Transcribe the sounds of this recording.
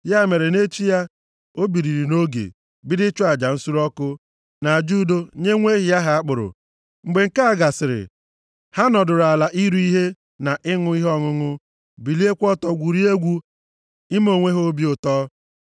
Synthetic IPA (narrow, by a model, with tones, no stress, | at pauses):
ja˦˨me˨ɾe˨ne˦t͡ʃi˦ja˦ | o˦bi˨ɾi˨ɾi˨no˦ɡḛ˨ | bɪ˦dɪ˦t͡ʃʊ˦a˨d͡ʒa˨n̩˦su˦ɾɔ˦kʊ˦ | na˨d͡ʒu˦do˦ɲe˦ŋʷe˦ɦi˨ja˦ɦa˨a˦k͡pʊ˨ɾʊ̰˨ | ŋ͡m̩˨ɡ͡be˨ŋ̩˨ka˦a˨ɡa˨sɪ˨ɾɪ̰˨ | ha˦nɔ˨dʊ˨ɾa˨la˨ʔi˦ɾu˦i˦ɦe˦ | na˨ʔɪ˦ŋʊ˦i˦ɦɔ˦ŋʊ˦ŋʊ˦ | bi˨li˦e˦kʷɔ˦tɔ˨ɡʷu˨ɾi˦e˦ɡʷu˦ | ɪ˦mo˨ŋʷe˦ɦo˦bi˦ʊ˨tɔː˦